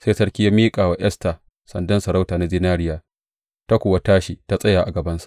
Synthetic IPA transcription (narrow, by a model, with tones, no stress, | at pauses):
se˦sɐ˦ɽkʲi˦ja˦miː˦kʼaː˨waː˨ʔɛ˦staː˨ | sɐ̰˨ndɐ˦nsɐ˨ɾa˦wtaː˨na˦zɪ˦naː˦ɽɪ˦jaː˨ | ta˦kʷʊ˨wa˦taː˦ʃi˨ta˦sʼɐ˦jaː˨ʔa˨ɡɐ˨bɐ˦nsḁ˨ʔ